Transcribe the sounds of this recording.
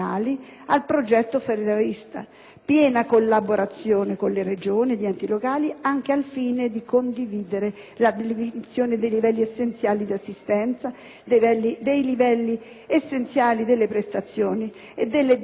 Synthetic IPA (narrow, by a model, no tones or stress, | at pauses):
a̰ːlialpɾod͡ʒɛt̪ːofeɾed̪aɾist̪a̰ | pjɛːnakolːaboɾʔat̪sːjoːnekonlered͡ʒoːniʎiɛnt̪ilokaːliaŋk̟ealfiːned̪ikond̪iviːd̪eɾe | lad̪elivint̪sjoːned̪ejlivɛlːiesːent̪sjaːlid̪iasːist̪ɛnt̪sa | d̪evɛlːid̪ejlivɛlːi | esːent̪sjaːlid̪elːepɾest̪at̪sːjoːni | ed̪ːelːe